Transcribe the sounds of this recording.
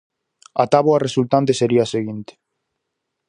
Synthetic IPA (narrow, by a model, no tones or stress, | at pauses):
at̪aβoaresult̪ant̪̬eseɾiaseɣint̪e̥